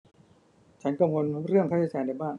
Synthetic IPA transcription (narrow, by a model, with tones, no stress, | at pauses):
t͡ɕʰa˦˥nka˧mwo˧n˦ɾɯ˥˩əŋkʰa˥˩t͡ɕʰːa˧˩t͡ɕaː˨˩˦nda˧jbaː˥˩ŋ